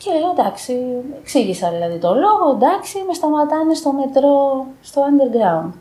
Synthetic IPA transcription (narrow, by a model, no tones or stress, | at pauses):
celeɐd̪ɐksieksiʝisɐðilɐðit̪o̞lo̞ɣo̞end̪ɐksime̞st̪ɐmɐt̪ɐnest̪o̞me̞t̪ɾo̞st̪o̞ɐnd̪e̞ɾɡɾɐund̪̥